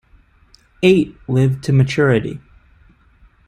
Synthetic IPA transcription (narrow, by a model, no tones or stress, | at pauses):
eɪtlɪvtʰɨmɨt͡ʃʰʊɹɨɾḭ